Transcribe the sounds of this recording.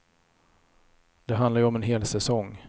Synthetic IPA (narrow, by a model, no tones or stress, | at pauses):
d̪̥ɛɦand̪laɾjɵɔmɛnɦeːlsɛsɔŋ